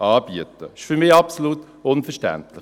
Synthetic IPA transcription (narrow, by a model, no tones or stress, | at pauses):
ʔaːb̥iətəɪʃfymɪːɑpsoluːt | ʊnfɛʃtæ̰ntlɪχ